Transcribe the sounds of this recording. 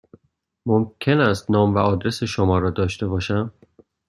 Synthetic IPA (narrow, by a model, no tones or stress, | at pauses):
momcʰe̞næst̪nɒːmvæɒːd̪ɾe̞seʃomɒːɾɒːd̪ɒːʃt̪e̞bɒːʃæm